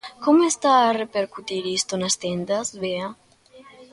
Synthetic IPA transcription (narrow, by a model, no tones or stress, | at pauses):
komest̪aːrepeɾkut̪iɾist̪onast̪end̪ɐzβea